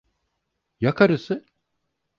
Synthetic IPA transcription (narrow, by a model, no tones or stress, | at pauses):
jakʰaɾɯsɯ